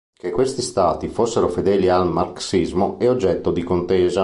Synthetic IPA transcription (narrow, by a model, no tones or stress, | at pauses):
kekːwest̪ist̪aːt̪ifosːeɾofed̪ɛːlialmarksizmoeod͡ʒːɛt̪ːod̪ikont̪eːza